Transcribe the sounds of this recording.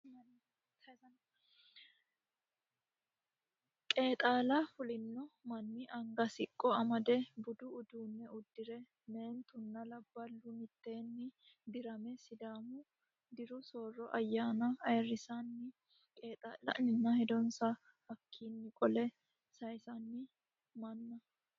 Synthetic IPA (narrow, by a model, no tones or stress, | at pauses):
ɐn | kʼe̞ːt̪ʼaːlɐfʊlɪnːɔmɐnːɪʔɐŋɡɐsɪkʼːɔɐmɐd̪ɛbʊd̪ʊʊd̪uːnːɛʊd̪ːɪɾɛ | me̞ːnt̪ʊnːɐlɐb̥ːɐlːʊmɪt̪ːe̞ːnːɪ | d̪ɪɾɐmɛsɪd̪aːmʊ | d̪ɪɾʊsoːrːɔʔɐjːaːnɐɐjrːɪsanːɪ | kʼe̞ːt̪ʼaːlɐ̰ʔnɪnːɐhɛd̪ɔnsɐ | hɐkʰːiːnːɪkʼɔlɛ | sɐjsɐnːɪ | mɐnːɐ